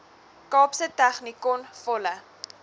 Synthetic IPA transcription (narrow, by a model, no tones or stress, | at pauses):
kɑːpsətæχnikɔnfɔlə